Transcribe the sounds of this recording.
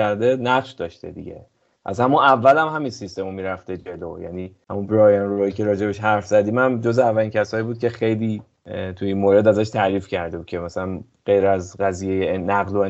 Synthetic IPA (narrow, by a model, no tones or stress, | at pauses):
æɾd̪e̞næfʃd̪ɒːʃt̪e̞̰d̪ḭɡɟḛ | pʰæ̰sæmuævːælæmɦæminsist̪e̞momiːɾæft̪e̞d͡ʒe̞lojæ̰niːhæmubɾɒːjænɾuɒjicʰe̞ɾɒːd͡ʒebeʃɦæɾfzæd̪iːmæmd͡ʒozeævːælincʰæsɒːjibuːd̪̚cʰʲe̞xe̞jliː | t̪ʰuinmoɾe̞d̪æzæʃt̪ʰæɾiːfcʰæɾd̪e̞bud̪̥̚cʰe̞mæsælæn | ɢ̥e̞jɾæzɢæziːjejenæɣlo